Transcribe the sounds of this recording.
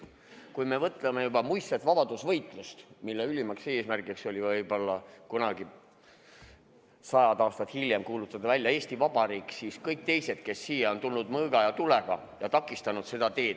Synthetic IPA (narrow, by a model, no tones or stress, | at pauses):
kujme̞vɤt̪ːˑlemejubɑmujsːet̪vɑb̥ɑd̪̥usvɤjt̪ˑlust̪milːeylʲimɑkse̞ːsmærɡikso̞lʲivɤjb̥o̞lːɑkunɑɡ̥i | sɑjɑd̪ɑːst̪ɑt̪hilʲje̞mkuːlut̪ːˑɑd̪̥ɑvælʲjɑe̞ːsʲt̪ivɑb̥ɑɾiːkːˑsiːskɤjk̚t̪e̞jse̞d̪̥ke̞sːijeo̞nt̪ulnud̪mɤːɡ̥ɑjɑt̪uleɡ̥ɑ | jɑt̪ɑkːˑist̪ɑnud̪̥se̞d̪̥ɑt̪e̞ːd̪